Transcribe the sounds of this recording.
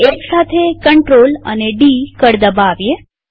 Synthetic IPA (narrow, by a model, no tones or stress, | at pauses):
eksat̪ʰekəɳʈɾolə̰neɖikəɽd̪əbaʋje